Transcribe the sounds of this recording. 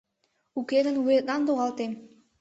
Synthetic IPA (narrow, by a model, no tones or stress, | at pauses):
uked̪ə̆nujet̪̚nɑnd̪oʁɑlˠt̪em